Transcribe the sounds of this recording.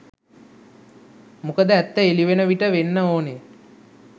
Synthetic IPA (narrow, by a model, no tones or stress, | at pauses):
mukəd̪əæt̪ːəeliʋenəʋiʈəʋenːəoːne